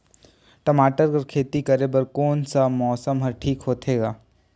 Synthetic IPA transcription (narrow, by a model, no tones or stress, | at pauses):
ʈɐmaːʈəɾkɐɾkʰeːt̪ikɐɾebɐɾkoːnsamɔːsəmɦɐɾʈʰiːkɦoːt̪ʰeːɡaː